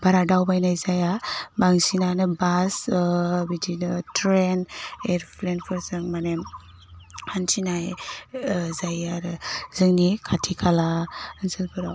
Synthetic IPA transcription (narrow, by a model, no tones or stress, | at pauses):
baɾadawbajnajzajabaŋsinanɯbasbidinɯtʰɾeneɾpʰlenpʰɯɾzɯŋmane | ansinaj | zajaɾzɯŋnikʰatʰikʰalaənsɯlpʰɯɾaw